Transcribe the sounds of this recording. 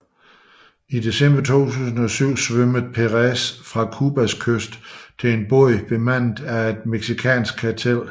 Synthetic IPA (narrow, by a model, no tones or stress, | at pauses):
id̥e̝sem̰b̥ɐt͡sʰo̝̰ːt͡sʰṵːsn̩ɒ̽syʊ̰sʋøməð̩ˠpʰeʁɛsfʁɑ̈kʰuːb̥æskʰøsd̥t͡sʰe̝enb̥ɔɪ̰b̥e̝mæn̰dˠæe̝d̥meɡ̥sikʰɛ̰ːnsɡ̥̚kʰɑt͡sʰel̰